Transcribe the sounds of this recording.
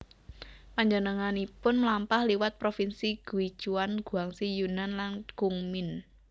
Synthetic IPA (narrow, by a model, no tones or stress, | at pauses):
paɲd͡ʒənəŋanipʊnmlampahliwat̪̚pɾofinsiɡ̥uid̥ʒ̥uanɡ̥ṳaŋsijunanlanɡ̥uŋmɪn